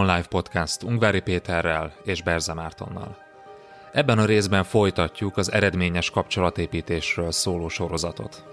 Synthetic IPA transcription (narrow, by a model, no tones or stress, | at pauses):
nlajfpo̞t̪kast̪uŋɡvaːɾipeːt̪ɛrːɛleːʒbɛrzɛmaːrt̪o̞̰nːɒ̰l | ɛbːɛnɒɾeːzbɛɱfo̞jt̪ɒcːukɒzɛ̰ɾɛd̪meːɲɛʃkɒpt͡ʃo̞lɒt̪eːpiːt̪eːʃrøːlsoːloːʃo̞ɾo̞zɒt̪o̞̰t̪